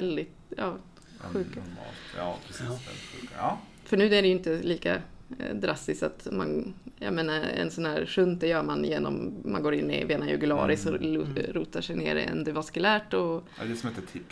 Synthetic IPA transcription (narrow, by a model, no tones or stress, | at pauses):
ɛld̪ɪt̪ɑː | ɧʉ̟ːkaɑ̰lt̪ː | ɧʉːkː | fœɳʉ̟ːæɖɛjɵɪnt̪əliːka̰d̪ɾast̪ɪst̪at̪manjɑ̰meːnaɾɛ̰nsɔnhæːɾʂɵnt̪̚d̪ɛjœːɾmanjeːnɔ̰mmːanɡoːɾɪnːɪ̰veːnajɵ̰ɡʉlɑ̰ːɾɪsɔɾuːt̪aʂɛjnḛːɾɛ̰nd̪ɛvaskʉlæːʈɔ | d̪ɛsɔmɪnt̪ət̪ʰɪkː